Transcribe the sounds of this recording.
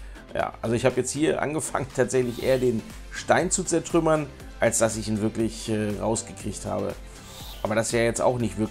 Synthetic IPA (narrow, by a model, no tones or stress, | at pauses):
ja̰ːʔalzoɪçhaːbəjɛt͡sthiːɐʔa̰nɡəfa̰ŋəntʰaːtz̥ɛçlɪçʔḛːɐdeːn | ʃtaɪnt͡sut͡sɛɐtʁ̥ʏmɐn | ʔalsd̥asɪçiːnvɪɐklɪçʔɛːʁaʊsɡ̥əkʁ̥içtha̰ːbə̰ | ʔaːbɐɾasjaːjɛt͡sta̰ʊxnɪçtv̥ɪɐ